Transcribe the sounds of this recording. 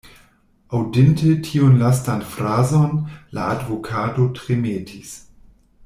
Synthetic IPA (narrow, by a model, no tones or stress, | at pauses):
awdentetʰiunlastanfɾazonla̰advokʰatotɾemetʰis